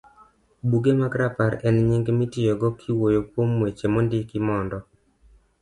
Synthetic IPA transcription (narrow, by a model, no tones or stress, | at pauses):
buɡemakɾapaɾɛnɲɪŋɡmɪtɪjɔɡɔkʰɪwojopwomwet͡ʃemondɪkɪmɔndɔ